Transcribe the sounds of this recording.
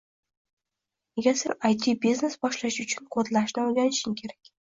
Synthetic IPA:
neɡʲasɪɾajt̪ʰibizne̞sbɒʃlaʃʊt͡ʃʰʊnqʰot̪laʃnɪojɡʲanɪʃɪŋkʲʰe̞ɾakʲ

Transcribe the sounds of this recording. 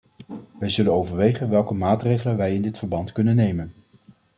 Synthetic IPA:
ʋɛjzɵlənowvəɹʋejχənʋɛlˠkəmaːtrejχələnʋɛjɪndɪtfəɹbɑntkɵnənːejmən

